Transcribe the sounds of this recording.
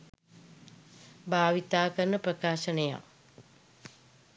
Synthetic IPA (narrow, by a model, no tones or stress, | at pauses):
bʱaːʋit̪aːkəɾnəprəkaːʃənəja̰